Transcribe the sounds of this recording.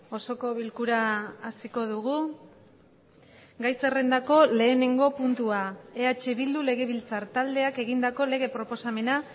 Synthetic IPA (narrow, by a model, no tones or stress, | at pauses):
o̞so̞ko̞βilkuɾaːsiko̞ð̞uɣ̞u | ɡajse̞re̞nd̪ako̞le̞ːne̞ŋɡo̞punt̪uae̞at͡ʃe̞βild̪ule̞ɣ̞e̞βilt͡saɾt̪ald̪e̞ake̞ɣind̪ako̞le̞ɣ̞e̞pɾo̞po̞same̞na